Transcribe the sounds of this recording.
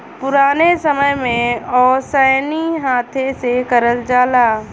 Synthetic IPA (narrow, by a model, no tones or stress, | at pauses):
pʊɾaːnesəməjmẽɔːɾsəːniɦaːt̪ʰesekəɾəld͡ʒaːlaː